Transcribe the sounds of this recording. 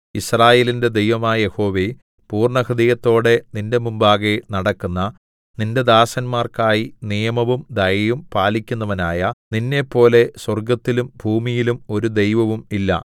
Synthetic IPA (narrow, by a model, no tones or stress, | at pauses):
israːjeːlinde̞d̪e̞jʋɐmaːje̞ho̞ːʋe | puːrɳɐkrɐðɐjɐt̪ːo̞ːɽe̞ninde̞mumbaːɣenɐɽɐkːunːɐ | ninde̞d̪aːsɐnmaːrkaːjinijɐmɐʋumd̪ɐjɐjumpaːlikʲːunːɐʋɐnaːjɐninːe̞pːo̞ːle̞swɐrɡɐt̪ːilumbʱuːmijilumo̞ɾud̪e̞jʋɐʋumilːɐ̰